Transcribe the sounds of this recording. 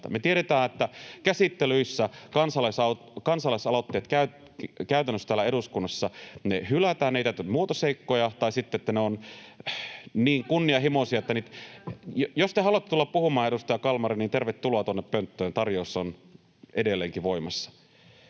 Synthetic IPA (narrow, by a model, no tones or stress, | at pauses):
ɑmet̪ieɾet̪æːet̪ːækæsit̪ːelyisːækɑnsɑlɑsɑ | kɑnsɑlɑisɑlot̪ːeːt̪kæyt | kæyt̪ænːøsːt̪æːlːæeɾuskunːɑsːɑnehylæt̪æːneˑit̪æyt̪yt̪muot̪oseikːojɑt̪ɑisit̪ːeet̪ːæneon | niːŋkunːiɑɦimosiɑet̪ːænit̪jjost̪ehɑluɑt̪ːet̪ulːɑppuhumɑːeɾust̪ɑjɑkɑlmɑriniːnt̪erʋet̪ːuloɑːt̪uonːeppønt̪ːøːnt̪ɑrjoisːon | edelːeːŋkiʋoimɑsːɑ̥